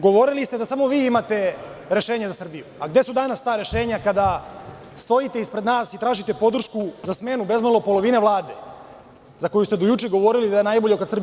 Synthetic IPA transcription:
ɡo̞ʋo̞ɾilist̪e̞d̪asamo̞ʋiːimat̪e̞ɾe̞ʃeːɲazasr̩bijuaɡd̪e̞sud̪anast̪aːɾe̞ʃe̞ːɲakad̪a | st̪o̞jit̪e̞ispɾe̞d̪naːsit̪ɾaːʒit̪e̞po̞d̪ɾr̩ʃkuzasme̞nube̞zmalˠo̞po̞lˠo̞ʋineʋlˠaːd̪e̞ | zako̞just̪e̞d̪ojut͡ʃeɡo̞ʋo̞ɾilid̪ajenajboʎekad̪srbi

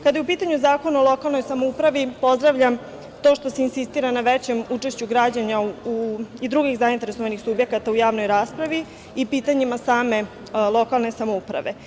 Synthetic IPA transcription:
kad̪ajupiːt̪aɲuzaːko̞naolˠo̞kalˠno̞jsamoupɾaʋipo̞zd̪ɾaʋʎam | t̪o̞ʃt̪o̞seinsist̪iːɾanaʋet͡ɕemuːt͡ʂeʃt͡ɕuɡɾad͡ʑaɲauid̪ɾuɡiɣzaint̪e̞ɾeso̞ʋanixsubje̞kat̪aujaːʋnojɾaːspɾaʋi | ipiːt̪aɲimasaːme̞ | lˠo̞kalˠne̞samoupɾa̰ʋe̞

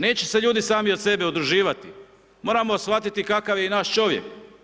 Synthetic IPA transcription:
ne̞ːt͡ɕeseʎuːd̪isaːmio̞d̪se̞be̞ud̪ɾuʒiːʋat̪i | mo̞ːɾamosfʋat̪it̪ikakaʋjenaːʃt͡ʃo̞ʋjḛk

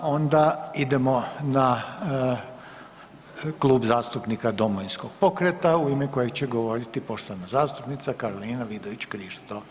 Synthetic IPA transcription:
o̞nd̪aid̪e̞mo̞na | klˠuːbzaːst̪upnikad̪o̞moʋinskoɡ̥̚po̞kɾet̪auimeko̞jet͡ɕeɡo̞ʋo̞ɾit̪ipo̞ʃt̪oʋanazaːst̪upnit̪sakaɾoliːnaʋid̪oʋit͡ɕkɾiːʃt̪o

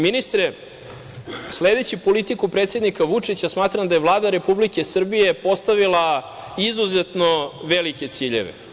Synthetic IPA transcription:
minist̪ɾe | sled̪e̞t͡ɕipo̞lit̪ikupɾeːt̪se̞d̪nikaʋut͡ʂit͡ɕasmaːt̪ɾamd̪ajevlˠaːd̪aɾe̞publike̞sr̩bije̞po̞st̪aʋilˠaizuzet̪no̞ʋelike̞t̪siːʎḛʋḛ

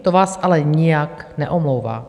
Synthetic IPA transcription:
t̪ovaːsʔalɛɲɪjaknɛʔomlowva̰ː

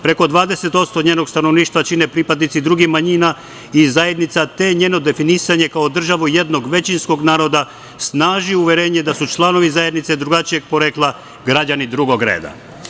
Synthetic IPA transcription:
pɾe̞ko̞d̪ʋaːd̪e̞se̞t̪o̞t̪st̪oɲeːno̞ɡst̪ano̞ʋniːʃt̪ʋat͡ʃine̞pɾiːpad̪nit̪sid̪ɾuɡixmaɲiːna | izaje̞d̪nit̪sat̪e̞ɲe̞ːno̞d̪e̞finisaɲe̞kaod̪r̩ʒaʋuje̞d̪no̞ɡʋe̞t͡ɕinsko̞ɡnaːɾo̞d̪a | snaːʒiuʋʲjeɾe̞ːɲed̪asut͡ʃlˠano̞ʋizaje̞d̪nit̪se̞d̪ɾuɡat͡ʃije̞ɡ̚po̞ɾeklˠa | ɡɾad͡ʑanid̪ɾuɡo̞ɡɾe̞̰ːd̪a̰

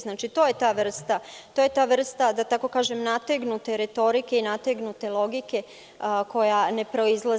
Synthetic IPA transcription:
znaːt͡ʃit̪oje̞t̪aːʋr̩st̪at̪oje̞t̪aːʋr̩st̪ad̪at̪ako̞kaːʒe̞mnat̪eɡnut̪e̞ɾe̞t̪o̞ɾike̞inat̪eɡnut̪e̞lˠo̞ɡike̞ | ko̞jane̞pɾo̞izlˠa

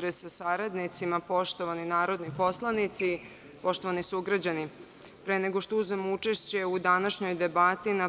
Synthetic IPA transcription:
ɾesasaɾad̪nit̪simapo̞ʃt̪o̞ʋaninaːɾo̞d̪nipo̞slˠanit̪si | po̞ʃt̪o̞ʋanisuɡɾad͡ʑani | pɾene̞ɡo̞ʃt̪ouznamout͡ʂeʃt͡ɕe̞ud̪anaʃɲo̞jd̪e̞bat̪ina

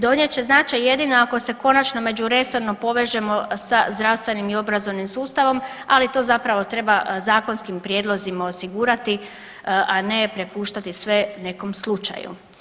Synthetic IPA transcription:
d̪o̞nje̞t͡ɕe̞znaːt͡ʃajje̞d̪ino̞ako̞se̞ko̞nat͡ʃno̞me̞d͡ʒuɾe̞so̞ɾno̞po̞ʋe̞ʒe̞mo̞sazd̪ɾaʋst̪ʋe̞nimio̞bɾazo̞ʋnimsuːst̪aʋo̞malit̪o̞zapɾaʋo̞t̪ɾe̞bazaːko̞nskimpɾje̞d̪lˠo̞zimao̞siɡuːɾat̪i | ʔanepɾe̞puːʃt̪at̪isʋe̞ne̞ko̞mslˠut͡ʃa̰jṵ

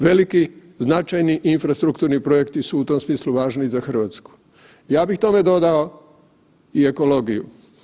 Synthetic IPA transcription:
ʋe̞liki | znat͡ʃajniʔinfɾast̪ɾukt̪uɾnipɾo̞jekt̪isuut̪o̞msmiːsluʋaːʒnizaxər̩ʋaːt̪sku̥ | jaːbixt̪o̞me̞d̪o̞d̪ao | ie̞ko̞lo̞ːɡijṵ

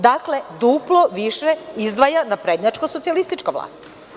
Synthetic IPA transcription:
d̪akle̞d̪uploʋiʃeizd̪ʋajanapɾed̪ɲat͡ʃkoso̞t̪sijalist̪it͡ʃkaʋla̰ːst̪

